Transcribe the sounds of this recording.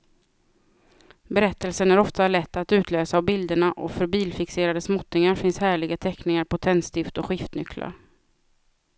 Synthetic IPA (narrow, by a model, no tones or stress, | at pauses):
bɛɾɛt̪ːəlsənæɾɔft̪alɛt̪ːat̪ʉ̟ːt̪ʰløːsaːvbɪld̪əɳaʔɔ̰fœɾbiːlfɪkseːɾad̪əsmɔt̪nɪŋaɾfɪnshæːɭɪɡat̪ʰɛknɪŋaɾpʰɔt̪ʰɛnst̪ɪft̪ɔɧɪft̪nʏkla̰ɾ